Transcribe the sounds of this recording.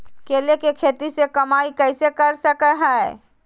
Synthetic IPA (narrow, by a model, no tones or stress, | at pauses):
keːlekekʰeːt̪isekɐmaːikɛɪsekɐɾsəkəɦaɛ